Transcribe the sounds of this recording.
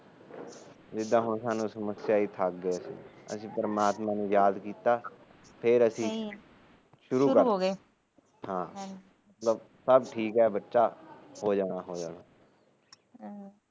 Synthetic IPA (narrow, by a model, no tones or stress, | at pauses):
d͡ʒɪd̪ãːɦʊnsaːnũːsəməsjaːiːt̪ʰək̚ɡeːəsḭ̃ːə̰sĩːpəɾəmaːt̪mãːnẽːjaːd̪kiːt̪aː | pʰɪɾəsĩː | ʃʊɾuːəoɡe | hãː | mət̪ləb | səbʈʰiːkɦɛːbətːʃaːhoːd͡ʒaːnaːɦoːd͡ʒaːnaː